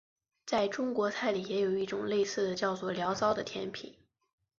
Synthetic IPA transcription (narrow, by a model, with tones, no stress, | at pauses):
t͡sa˥˩ɪʈ͡ʂʊ˥ŋkwɔ˧˥t͡sʰa˥˩ɪli˨˩jɛ˧˥jo˨˩ʊi˥˩ʈ͡ʂʊ̰˨˩ŋle˥˧ɪsɹ̩˥˩d̪ə˩t͡ɕjɑ˥˧ʊt͡swɔ˥˩ljɑ˧˥ʊt͡sɑ˥ʊd̪ə˨t̪ʰjɛ̰˧˥npʰḭ˨˩˦n